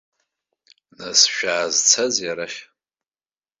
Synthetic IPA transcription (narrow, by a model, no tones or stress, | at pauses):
nasʃᶣaːzt͡sʰazjaɾaʃ